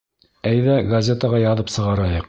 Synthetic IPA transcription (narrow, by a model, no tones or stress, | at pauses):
æjðæɡɐzʲet̪əʁɑjɑðɤpsɤ̆ʁɑɾɑjɤq